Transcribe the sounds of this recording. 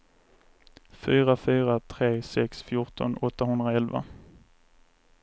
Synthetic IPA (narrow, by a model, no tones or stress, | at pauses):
fyːɾafyːɾat̪ʰɾeːsɛksfjʊʈɔ̰nɔt̪ːaɦɵnd̪ɾaɛlva̰